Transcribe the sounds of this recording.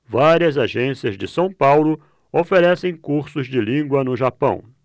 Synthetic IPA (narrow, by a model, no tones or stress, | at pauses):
vaɾiɐzaʒẽsiɐzd͡ʒɪsɐ̃w̃pawlʊ | ofeɾɛsẽj̃kuɾsʊzd͡ʒɪlĩɡwɐnʊʒapɐ̰̃w̃